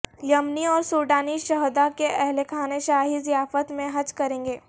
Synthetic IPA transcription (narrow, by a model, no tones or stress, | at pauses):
jɐmniɔːɾsuːɾɖaːniʃɐɦd̪akeʔɛɦlekʰaːneʃaːɦizijaːfət̪mẽɦɐd͡ʒkɐɾẽːŋɡeː